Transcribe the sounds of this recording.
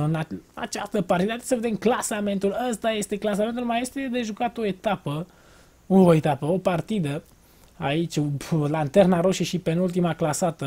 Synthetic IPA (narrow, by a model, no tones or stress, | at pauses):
ɨnaa̰t͡ʃast̪əpart̪id̪at̪esəve̞d̪emklasame̞nt̪uləst̪aje̞st̪e̞klas̬ament̪ulmaje̞st̪ed̪e̞ʒukat̪o̞e̞t̪apə | uoet̪apəopart̪id̪ə | ait͡ʃʲlant̪e̞rnaɾo̞ʃiʃipe̞nult̪̬imaklasat̪ə